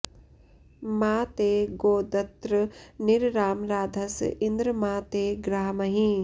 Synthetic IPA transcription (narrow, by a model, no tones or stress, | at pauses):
maːt̪eːɡoːd̪ɐt̪ɾɨniɾɾaːmɾaːd̪ʱɐsind̪ɾɐmaːt̪eːɡɾaːmɐɦĩ